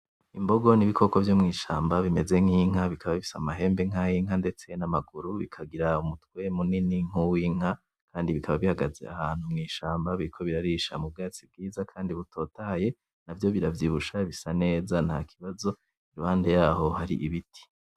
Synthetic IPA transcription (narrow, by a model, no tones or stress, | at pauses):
imbo̞ɡo̞niβikʰo̞kovjomŋiːʃaːmbaβime̞ze̞ŋ̥iːŋ̥ɦaβikaβaβiisamaɦe̞ːmbe̞ŋ̥ajiŋ̥ande̞t͡se̞namaɡuɾuβikʰaɡiɾaumutwe̞muniniŋ̥uwiŋ̥a | kʰaːndiβikʰaβaβihaɡaze̞̰a̰haːn̥humŋiːʃaːmbaβiɾikʰo̞βiɾaɾiʃa̰mub̚ɡaːt͡sib̚ɡiːzakʰaːndiβutʰo̞ːtaje̞ | navjo̞βiɾavjiβuʃaβisane̞ːzanha̰kʰi̥βazo̞ | iɾuhaːnde̞jaːho̞haɾḭʔiβitʰi̥